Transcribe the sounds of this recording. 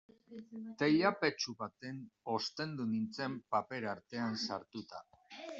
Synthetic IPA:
t̪e̞jape̞t͡ʃuβat̪e̞no̞st̪e̞nd̪unint͡se̞mpape̞ɾaɾt̪e̞ansaɾt̪ut̪a̰

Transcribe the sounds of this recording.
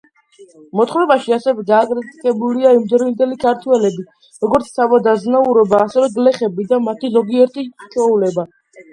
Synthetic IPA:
mɔt̪χɾɛbaʃiasɛvɛɡaːkʼɾit̪ʼk̪ʼɛbuliaimd̪ɛɾvind̪ɛlikʰaɾt̪ʰwɛlɛbi | ɾɔɡɔɾt̪sʰsʰavad̪aznauɾɔbaːsɛvɛɡlɛχɛbid̪amat̪ʰizɔɡiɛɾt̪ʼit͡ʃʰɔulɛba

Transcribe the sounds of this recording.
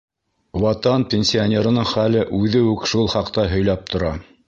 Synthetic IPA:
wɑt̪ɑnpʲenʲsʲionʲeɾɤ̆nɤɴχælɘʔʉðɘʉkʃulˠχɑqt̪ɑɦɵ̆jlæp̚t̪ŏɾɑ

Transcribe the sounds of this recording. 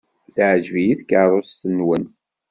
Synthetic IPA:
θʕd͡ʒvijiθkəɾˤosθənːwən

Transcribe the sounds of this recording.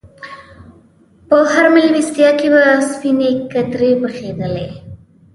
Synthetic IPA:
pəhaɾmɪlwist̪ijɑkebaspinekat̪ɾepəxed̪əle

